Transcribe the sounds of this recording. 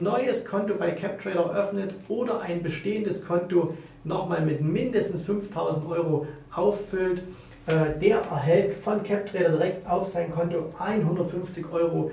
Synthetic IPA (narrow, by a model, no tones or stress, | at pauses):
nɔʏəskʰɔntobaɪkʰɛp̚tʁ̥ɛːɾɐɛɐʔœfnətʔoːdɐʔaɪnbəʃteːəndəskʰɔnto | nɔχmaːlmɪtmɪndəstn̩sfʏnftʰaʊzn̩tʔɔʏʁoʔaʊfːʏlt | ʔɛːd̥eːɐʔɛɐɦɛltfɔnkʰɛp̚tʁ̥ɛːɾɐdiʁɛk̚taʊfz̥aɪnkʰɔntoʔaɪnɦʊndɐtfʏnft͡sɪçʔɔʏʁ̞o